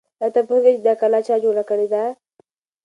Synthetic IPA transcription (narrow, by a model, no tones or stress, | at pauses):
jat̪apuɡet͡ʃd̪akalat͡ʃad͡ʒoɽakəɽed̪a